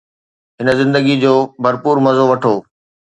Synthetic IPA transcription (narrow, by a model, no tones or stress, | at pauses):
ɦɪnə̆zɪ̃nd̪əɡid͡ʑoːbʱɐɾpuːɾmɐzoʋɐʈʰoː